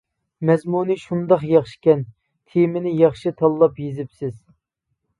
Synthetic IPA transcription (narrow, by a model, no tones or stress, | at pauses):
mɛzmunɨʃund̪ɑχjɑχʃi̥kʲɛn | t̪ʰemɪnɪjɑχʃɨt̪ʰɑlˠːɑpjezɪpsɪz̥